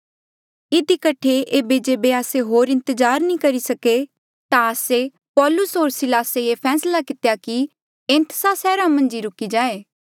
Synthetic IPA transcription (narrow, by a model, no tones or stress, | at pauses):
ɪd̪ikɐʈʰeʔeːbed͡ʒeːbeaːseɦoːɾɪ̃nt̪əzaːɾnĩkɐɾisɐke | t̪ãɐse | pɔːlʊsɦoːɾsɪlaːseepʰɛːslakɪt̪ejaki | ẽːnt̪əsasɛːɾamɐ̃nd͡ʒiɾʊkid͡ʒaːeː